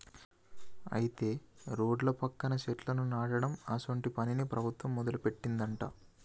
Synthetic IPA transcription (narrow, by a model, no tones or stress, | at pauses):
ɐ̰jit̪e̞ːɾoːɖlɐpɐkːɐnɐʃeʈlɐnunaːɽɐɽɐmaːsoɳʈipɐninipɾɐbʱut̪ʋɐmːɔd̪ɐlupe̞ʈːind̪ɐɳʈa̰ː